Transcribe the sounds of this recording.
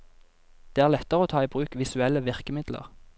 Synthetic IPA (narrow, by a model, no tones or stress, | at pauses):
d̪̥eːæːʁlɛt̪əʁəoːt̪ʰɑːiːbʁʉːkʋɪsʉɛləʋɪʁkəmɪd̪lə̰ʁ